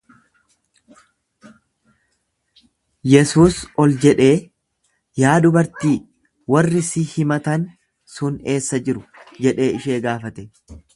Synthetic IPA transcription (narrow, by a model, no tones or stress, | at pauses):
jɛsuːsɔld͡ʒɛᶑe̞ː | jaːd̪ʊbɐɾt̪iː | wɐrːɪsɪhɪmɐt̪ɐn | sʊne̞ːsːɐd͡ʒɪɾʊd͡ʒɛᶑe̞ːɪʃeːɡaːfɐt̪ɛ